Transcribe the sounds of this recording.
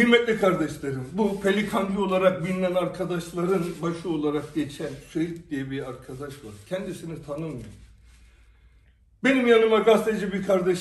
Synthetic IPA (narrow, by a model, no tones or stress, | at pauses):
iɾmɛt̪lʲikʰaɾd̪ɛʃlˠaɾɯmbupʰelʲikʰand̪io̞lˠaɾak̚binːʲænaɾkʰad̪aʃlˠaɾɯnbaʃɯo̞lˠaɾak̚ɟet͡ʃʰænsyɾɛcd̪ijebiaɾkʰad̪aʃva̰ɾcʰɛnd̪isinit̪ʰanɯmːɯj | be̞nimjanɯmaɡast̪ed͡ʒɯbiɾkʰaɾd̪ɛʃ